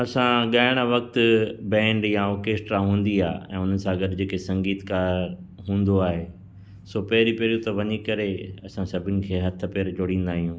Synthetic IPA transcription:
ɐsãɠaːɪɽ̃aʋɐk̚t̪ʊ̆bɛ̃ːɳɖjãoːkeːsʈɾaɦũːn̆d̪iaːɛ̃ːʊnəsãɡɐɗɪd͡ʑeːkesɐ̃ŋɡiːt̪kaːɾ | ɦũːnd̪oaːɦe | soːpɐɦɪɾipɐɦɾijũt̪ɐʋɐɲikɐɾeɐsãsɐbʱɪnɪ̆kʰeːɦɐt̪ʰəpeːɾd͡ʑoːɽĩːn̆d̪aːɦijũː

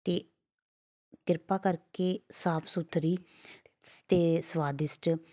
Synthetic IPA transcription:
t̪eː | kɪɾpaːkəɾkeːsaːpʰsʊt̪ʰɾiː | t̪eːsʋaːd̪ɪsʈ

